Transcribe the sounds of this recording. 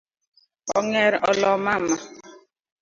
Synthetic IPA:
ɔ̰ŋɛɾɔlɔmama

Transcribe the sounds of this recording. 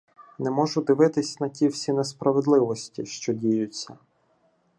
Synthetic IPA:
nɛmɔʒʊd̪ɪʋɪt̪ɪsʲnɐtʲiwsʲinɛspɾɐʋed̪lˠɪʋɔsʲtʲiʃt͡ʃɔdʲijʊt͡sʲːɐ

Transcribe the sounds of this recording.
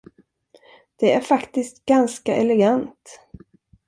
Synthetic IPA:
d̪̥ɛæɾfakt̪ɪst̪ɡanskaʔɛlɛɡant̪

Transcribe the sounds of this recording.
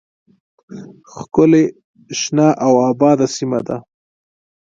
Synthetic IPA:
xkʊle | ʃnɑʔawɑbɑd̪asima̰d̪a

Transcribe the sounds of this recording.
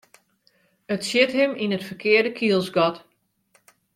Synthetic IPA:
ətsjɪthɪminətfərkʰɪərdəkʰiəlˠsɡɔt

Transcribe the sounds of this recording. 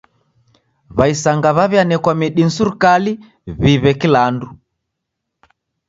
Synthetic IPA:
βaisaŋɡaβaβjanɛkwamiɗin̩suɾukali | βiβɛkilandu

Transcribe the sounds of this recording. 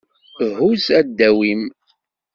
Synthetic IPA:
ɦuzæd̪ːæwim

